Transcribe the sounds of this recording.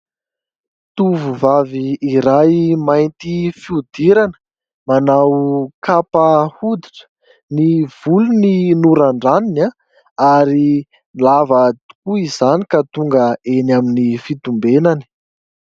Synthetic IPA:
t̪uvuvaviːɾajmajnt̪ifiud̪iɾanə̥ | manawkapahud̪iʈ͡ʂə̥ | niv̥uluninuɾaɳɖ͡ʐanina | aɾi | lavət̪u̥kuizanikat̪uŋɡəenaminifit̪umbenani̥

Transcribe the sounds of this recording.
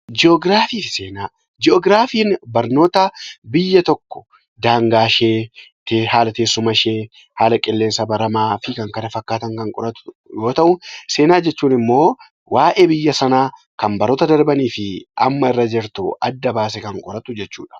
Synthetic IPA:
d͡ʒɪɔɡɾaːfiːfɪse̞ːnaː | d͡ʒɪɔːɡɾaːfiːnbɐɾno̞ːt̪ɐbɪjːɐt̪ɔkːɔ̥ | d̪aːŋɡaːʃeːt̪ehaːlɐt̪eːsːʊmɐʃeː | haːlɐkʼɪlːe̞ːnsɐbɐɾɐmaːfɪkɐŋkɐnɐfɐkːaːt̪ɐŋkɐŋkʼɔ̰ɾɐt̪ | jo̞ːt̪ɐʔʊse̞ːnaːd͡ʒɛt͡ʃːuːnɪmːo̞ː | waːʔeːbɪjːɐsɐnaː | kɐmbɐɾɔt̪ɐd̪ɐɾbɐniːfɪʔɐmːɐɪrːɐd͡ʒɛɾt̪ʊ̰ɐ̰d̪ːɐbaːs̬ɛkɐŋkʼɔɾɐt̪ʊd͡ʒɛt͡ʃːṵːᶑɐ̥

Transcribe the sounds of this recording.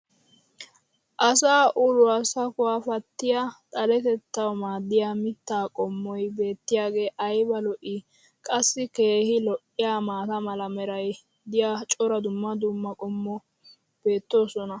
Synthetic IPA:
ʔɐsaːʔʊlʊɐsɐkʊwaːfɐt̪ːɪjat̪ʼɐlɛt̪ɛt̪ːɐwɔmaːd̪ːɪjaːmɪt̪ːaːkʼɔmːɔjbe̞ːt̪ːɪjaːɡe̞ːʔɐjbɐlɔʔɪ | kʼɐsːɪke̞ːhɪlɔʔɪjaːmaːt̪ɐmɐlɐmɛɾɐj | d̪ɪjat͡ʃʼɔɾɐd̪ʊmːɐd̪ʊmːɐkʼɔmːɔ | b̥e̞ːt̪ːo̞ːsɔnɐ

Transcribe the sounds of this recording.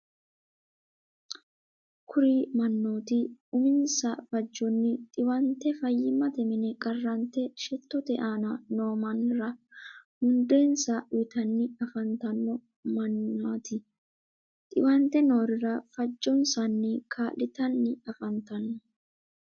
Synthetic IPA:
kʰʊɾimɐnːo̞ːt̪ɪʊmɪnsɐfɐd͡ʒːɔnːɪt̪ʼɪwɐnt̪ːɛfɐjːɪmɐt̪ɛmɪnɛkʼɐrːɐnt̪ːɛʃɛt̪ːɔt̪ɛʔaːnɐno̞ːmɐnɾɐhʊnd̪eːnsɐɪt̪ɐnːɪɐfɐnt̪ɐnːɔ | mɐnːaːt̪ɪ | t̪ʼɪwɐnt̪ɛno̞ːɾɪɾɐfɐd͡ʒːɔnsɐnːɪkʰaːlɪt̪ɐnːɪɐfɐnt̪ɐnːɔ

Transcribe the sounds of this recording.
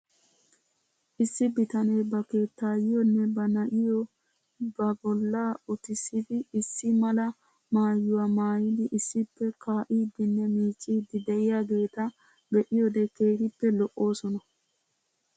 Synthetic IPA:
ʔɪsːɪbɪt̪ɐneːbɐke̞ːt̪ːaːjɪjɔnːɛbɐnɐʔɪjɔ | bɐbɔlːaːɔt̪ɪsɪd̪ɪɪsːɪmɐlɐ | maːjːʊwɐmaːjɪd̪ɪʔɪsːɪpːɛkaːʔiːd̪ɪnːɛmiːt͡ʃʼːiːd̪ɪd̪ɛʔɪjaːɡe̞ːt̪ɐ | bɛʔɪjɔd̪ɛkeːɾɪpːɛlɔʔːo̞ːsɔnɐ

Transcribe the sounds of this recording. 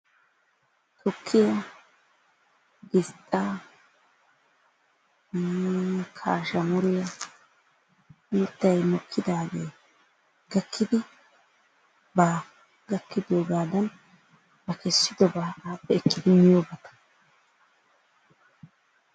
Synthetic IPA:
t̪ʰɔkʰːɪjɐ | ɡɪst̪ʼːa | kʰaːʃɐmʊɾɪjɐ | miːt̪ːɐjmɔkʰːɪd̪aːɡeː | ɡ̥ɐkʰːɪd̪ɪ | baː | ɡɐkʰːɪd̪oːɡaːd̪ɐn | bɐkɛsːɪd̪ɔbaːaːpːɛɛkːɪd̪ɪmɪjoːbɐt̪ɐ̥

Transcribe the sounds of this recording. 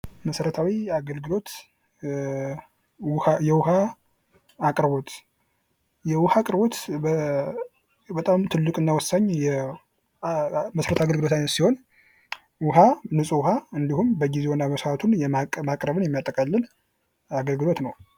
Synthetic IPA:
məsəɾət̪ʰawiaɡəlɡɨlo̞t̪ | jɛwʊɦaː | kʼɾβo̞t̪ | jɛwʊhakʼɨɾβo̞t̪ | bət̪ʼamt̪ʰɨlːɨkʼɨnːawɔsːaɲːjɛ | məsɾət̪ʰaɡəlɡɨlo̞t̪ʰajnət̪siho̞n | wʊɦanɨsʼuwʊɦaɨnd̪ihumbəɡizewonːaməsɾat̪ʰunjɛamakʼɾəβɨnjɛmːjat̪ʼːəkʼalːɨn | aɡəlɡɨlo̞t̪nəw

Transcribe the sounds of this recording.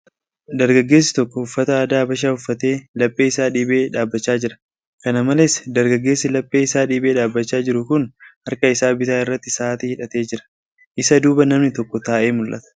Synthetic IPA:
d̪ɐɾɡɐɡːe̞ːs̬ːɪ̥t̪ɔkːɔʊfːɐt̪ɐaːd̪aːbɐʃ̬aːʊfːɐt̪e̞ːlɐpʼːeːɪsaːᶑiːbe̞ːᶑaːbːɐt͡ʃːaːd͡ʒɪɾɐ | kɐnɐmɐlesd̪ɐɾɡɐɡːeːsɪlɐpʼːe̞ːɪsaːᶑiːbe̞ːᶑaːbːɐt͡ʃːaːd͡ʒɪɾʊkʊnhɐɾkɐɪsaːbɪt̪aːɪrːɐt̪ːɪsaːt̪ɪhɪᶑɐt̪e̞ːd͡ʒɪɾɐ̥ | ʔɪsɐd̪uːbɐnɐmnɪt̪ɔkːɔt̪aːʔe̞ːmʊlʔɐ̰t̪ɐ̥

